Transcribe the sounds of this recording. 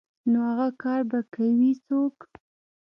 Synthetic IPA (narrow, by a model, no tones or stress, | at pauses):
nohaɣakɑɾbakawit͡sok